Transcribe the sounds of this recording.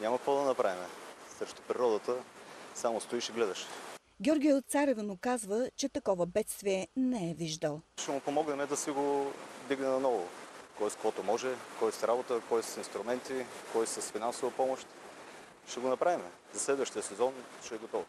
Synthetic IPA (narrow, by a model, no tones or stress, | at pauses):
ɲʲamɐkvɔd̪ɐnɐpɾavimɛsɾɛʃt̪ʊpɾiɾɔd̪ət̪əsamost̪oiʃɛɡlɛd̪əʃt̪ɛ̥t̪o̥ | ɡʲɔɾɡʲiɛt̪saɾɛvənʊkazvət͡ʃɛt̪ɐkɔvəbɛt̪st̪viɛnɛɛviʒd̪əlˠʃɛmʊpomɔɡnɛmɛd̪ɐsiɡod̪iɡnɛnɐnɔvʊkɔɛskovɔt̪ʊmɔʒɛkɔjsɾabot̪əkɔjsɐsinst̪ɾʊmɛnt̪ikɔjsɐsfinansovɐpɔmoʃt̪ | ʃɛɡonɐpɾavimɛ | zɐslɛd̪vəʃt̪ijəsɛzɔnʃɛːɡot̪ɔv